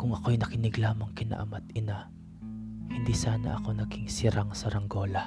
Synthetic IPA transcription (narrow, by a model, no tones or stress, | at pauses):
kʊŋɐko̞jnɐkɪnɪɡlaːmɐŋkɪna̰ʔɐ̰mat̪ɪna | hɪnd̪isaːnɐ̰ʔɐko̞nɐɡiŋsɪɾaŋsɐɾɐŋɡo̞ːlɐ